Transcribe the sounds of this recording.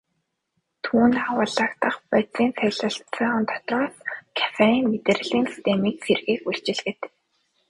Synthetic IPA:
t̪ʰuːnt̪awəːɮaːkt̪ə̆χpæt͡siːnsæɮə̆ɬt͡sœːʁə̆nt̪ʰɔ̥t̪rɔːskʰæ̥faɾiːŋmet̪ĕr̆ɮiːnsi̥st̪ʰemiːkserɣiːkuɮt͡ɕɪ̆ɮɣɘ̆t̪

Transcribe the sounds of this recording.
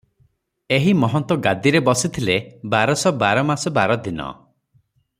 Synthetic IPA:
eɦimɔɦɔnt̪ɔɡad̪iɾebɔsit̪ʰilebaɾɔsɔbaɾɔmasɔbaɾɔd̪inɔ̰

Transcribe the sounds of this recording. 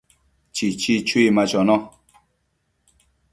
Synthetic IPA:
t͡ʃit͡ʃit͡ʃwimat͡ʃɔnɔ

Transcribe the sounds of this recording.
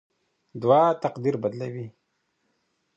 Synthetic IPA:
d̪wɑt̪aqd̪iɾbad̪lawi

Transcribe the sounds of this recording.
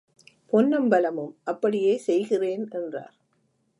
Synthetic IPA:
pɔnːɐmbɐlɐmɯmʔɐpːɐɽɪjeːsɛjɣɪreːnɛndra̰ːɾ

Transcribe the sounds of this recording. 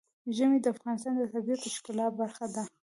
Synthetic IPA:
ʒəmed̪əafɣɑnɪs̬t̪ɑnd̪ət̪abiat̪ɪʃkɪlɑt̪̚baɾxad̪a

